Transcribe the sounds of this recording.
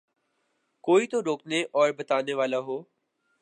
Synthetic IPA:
koːiːt̪oɾoːkneʔɔːɾbət̪aːneʋaːlaɦoː

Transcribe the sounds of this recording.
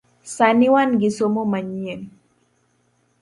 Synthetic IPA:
saniwanɡisomomaɲien

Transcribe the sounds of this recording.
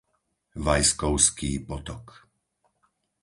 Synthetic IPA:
ʋajskɔʊskiːpɔt̪ɔk

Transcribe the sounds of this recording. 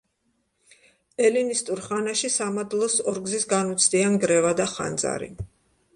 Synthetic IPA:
ɛlinist̪ʼuɾχanaʃisamad̪lˠɔsɔɾɡzisɡanut̪sʰd̪ianɡɾɛvad̪aχa̰nd̪za̰ɾḭ

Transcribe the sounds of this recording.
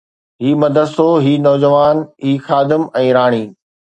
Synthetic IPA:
ɦiːmɐd̪ʱəd̪soɦiːnɔːd͡ʑəʋaːnɦiːxaːd̪ɪmɛ̃ːɾaːɽ̃iː

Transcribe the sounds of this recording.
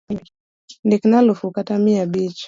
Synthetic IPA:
ndiknalufukatamiabit͡ʃ

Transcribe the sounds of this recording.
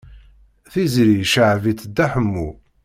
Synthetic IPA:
θizɾiʃəʕvit͡s̪ːd̪ːæħəmːu

